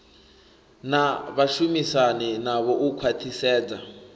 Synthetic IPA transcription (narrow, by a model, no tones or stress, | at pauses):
naβaʃumisanɛnaβɔʔukʰwatʰisɛːd͡za